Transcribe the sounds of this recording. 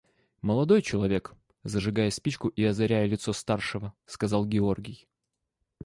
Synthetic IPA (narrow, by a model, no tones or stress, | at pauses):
məlˠɐd̪o̞jt͡ɕɪlˠɐvʲe̞k | zəʐɨɡajəspʲit͡ɕkʊʔiɐzɐɾʲæjəlʲɪt̪so̞st̪arʂɨvəskɐzɑlˠɡʲɪo̞rɡʲɪj